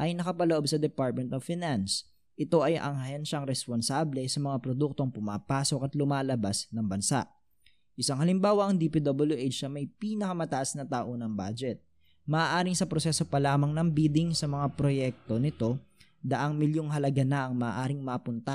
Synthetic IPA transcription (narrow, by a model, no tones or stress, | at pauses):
ʔɐjnɐkɐpɐloʔobsɐd̪ɛpaɹt̪̚mɛnt̪ovfɪnans | ʔɪt̪o̞ʔɐjʔɐ̰ŋhɐhɛnʃɐŋɾɛsponsaːblɛsɐmɐŋapɾod̪uk̚t̪o̞ŋpʊmaːpaːso̞kɐt̪lʊmaːlɐbasnɐŋbɐnsa̰ʔ | ʔɪsaŋhɐlɪmbaːwɐɐŋd̪ipid̪obɐljuʔet͡ʃɐmɐjpiːnɐkɐmɐt̪ɐʔasnɐt̪aːʔo̞nɐŋba̰ːd͡ʒɛt̪̚ | mɐʔːʔaːɾɪŋsɐpɾosɛso̞pɐlaːmɐŋnɐŋbiːd̪ɪŋsɐmɐŋapɾo̞jɛk̚t̪o̞nɪt̪o̞ | d̪ɐʔɐŋmɪljoŋɦɐlɐɡanɐʔɐŋmɐːʔaːɾɪŋmɐpʊnt̪a